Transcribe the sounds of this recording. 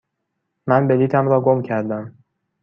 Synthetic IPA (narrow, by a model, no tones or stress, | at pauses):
mænbeliːt̪ʰæmɾɒːɡomcʰæɾd̪æm